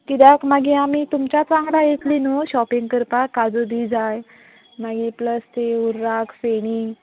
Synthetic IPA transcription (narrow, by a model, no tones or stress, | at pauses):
kid̪akmaɡiamit̪umt͡ɕat͡sãŋɡɽajet̪linuɕɔpĩŋɡkəɾpakad͡zud̪id͡zaj | maɡipləst̪euɾːakfeɽ̃i